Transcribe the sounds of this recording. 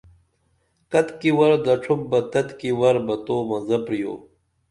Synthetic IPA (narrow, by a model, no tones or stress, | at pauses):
kɐt̪kiwɐɾd̪ɐʈ͡ʂʰum̚bɐt̪ɐt̪kiwɐɾbɐt̪oːmɐzɐpɾijo̰ː